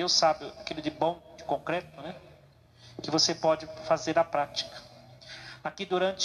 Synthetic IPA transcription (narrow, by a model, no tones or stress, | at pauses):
ewsabjʊakilʊd͡ʒɪbõw̃d͡ʒɪkõŋkɾɛt̪ʊnɛ | kɪvosepɔd͡ʒɪfazeɾɐpɾat͡ʃi̥kɐ̥ | akid̪uɾɐ̃nt͡ʃ